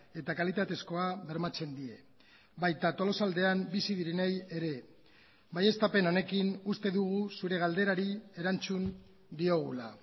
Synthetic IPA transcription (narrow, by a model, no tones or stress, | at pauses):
e̞t̪akalit̪at̪e̞sko̞aβe̞ɾmat͡se̞nd̪ie̞ | βajt̪at̪o̞lo̞sald̪e̞ambisiðiɾeneje̞ɾe̞ | baje̞st̪ape̞no̞ne̞kinust̪e̞ðuɣ̞usuɾe̞ɣ̞ald̪e̞ɾaɾie̞ɾant͡sun | d̪io̞ɣ̞ula